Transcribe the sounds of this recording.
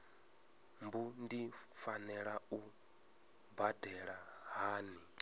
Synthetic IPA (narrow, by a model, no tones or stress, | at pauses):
mbundifanɛɺau | badɛɺaɦaːni